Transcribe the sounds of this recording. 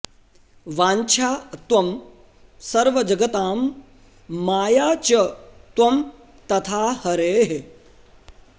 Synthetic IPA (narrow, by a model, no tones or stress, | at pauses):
ʋaːɲt͡ʃʰaːt̪wʋɐm | sɐɾʋɐd͡ʒɐɡɐt̪aːmː | aːjaːt͡ʃɐt̪ʋɐm | t̪ɐt̪ʰaːhɐɾeːɦe